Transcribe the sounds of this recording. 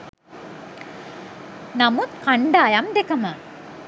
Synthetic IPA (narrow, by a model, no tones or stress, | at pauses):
nɐmut̪kaɳɖaːjɐmd̪ekɐma